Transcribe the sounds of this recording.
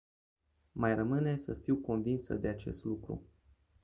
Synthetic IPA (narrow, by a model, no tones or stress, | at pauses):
majrəmɨne̞sə̰fiwko̞nvinsə̰d̪e̞at͡ʃe̞̰st̪lukɾṵ